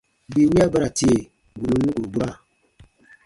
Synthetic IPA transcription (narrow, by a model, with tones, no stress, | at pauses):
bi˨wi˦a˦ba˦ɾa˨ti˦e˨ | ɡu˨nu˨˦u˦ɡu˨ɾbu˦ɾa˦˨